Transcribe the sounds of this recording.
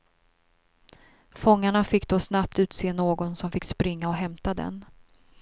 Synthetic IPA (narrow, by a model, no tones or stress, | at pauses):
fɔŋːaɳafɪkːd̪osnap̚t̪ʉ̟ːt̪seːnoːɡɔnsɔmfɪkːspɾɪŋːaɔɦɛmt̪ad̪ɛ̰n